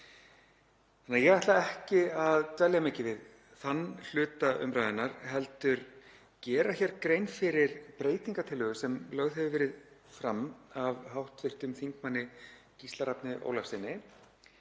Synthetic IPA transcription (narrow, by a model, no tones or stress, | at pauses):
θanːaɾjɛɣaht̪laɛhcɪaðt̪ɛljamɪːcɪvɪð | θanːl̥ʏːt̪aʏ̰mɾaːjðɪnaɾɦɛlt̪ʏɾ | cɛːɾaçɛɾkɾejnfɪɾɪɾpɾeːjt̪iŋkat̪ʰɪlːœːɣʏsɛmlœɣðɦɛvʏvɛːɾɪðfɾamavhawht̪fɪr̥t̪ʏmθiŋkmanːɪ | cist̪laɾapnɪʔo̰wlafsɪnːɪ